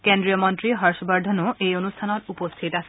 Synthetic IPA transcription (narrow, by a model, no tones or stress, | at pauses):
kendɹijɔmɔntɹiɦaɹsɔbaɹdʱɔnʊʔejonustʰanɔtupost̪ʰitas